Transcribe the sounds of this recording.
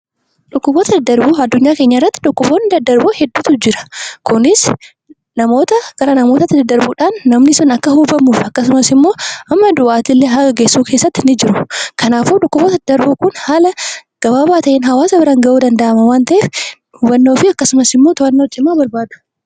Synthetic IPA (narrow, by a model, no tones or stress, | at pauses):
ᶑʊkːʊboːt̪ɐd̪ɐd̪ːɐɾbuːɐd̪ːʊɲːaːke̞ːɲːɐɪrːɐt̪ːɪᶑʊkːʊboːnːɪd̪ɐd̪ːɐɾboːhɛd̪ːuːt̪ʊd͡ʒɪɾɐ̥kʊnɪs | nɐmo̞ːt̪ɐɡ̥ɐɾɐnɐmo̞ːt̪ɐt̪ːɪd̪ɐd̪ːɐɾbuːᶑaːnːɐmnɪsʊnɐkːɐhuːbɐmuːfɐkːɐsʊmɐsɪmːo̞ːʔɐmːɐd̪ʊʔaːt̪ɪlːeɦɐɐɡeːsːuːkʰeːsːɐt̪ːɪnɪd͡ʒɪɾʊkɐnaːfʊᶑʊkːʊboːt̪ɐɐd̪ɐɾbuːkʊnhaːlɐɡ̥ɐbaːbaːt̪ɐʔeːnɦɐwaːsɐbɪɾɐŋɡɐʔuːd̪ɐnd̪ɐʔɐmɐwaːnt̪ɐʔeːf | huːbɐnːoːfɪɐkːɐsʊmɐsɪmːo̞ːt̪ʊɐnːod͡ʒɪmːaːbɐɾbaːd̪ʊ̥